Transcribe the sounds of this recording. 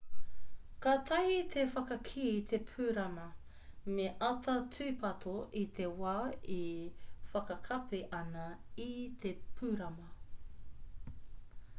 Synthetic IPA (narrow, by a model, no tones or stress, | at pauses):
kat̪ʰɐhit̪ʰefɐkɐkʰiːt̪ʰepʰʉːɾɐmɐ | meʔɐtʰɐtʰʉːpʰɐt̪ʰoʔit̪ʰewaːifɐkɐkʰɐpeʔɐnɐit̪ʰepʰʉːɾɐmɐ